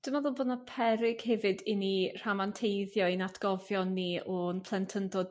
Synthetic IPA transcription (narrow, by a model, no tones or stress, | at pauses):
d̥ɪmaðʊlˠboːdnapʰɛɾɪɡ̥hɛvɨdɪnir̥amantʰejðjɔnatʰɡ̥ɔvjɔnːiɔnpʰlˠɛntʰəndɔd̥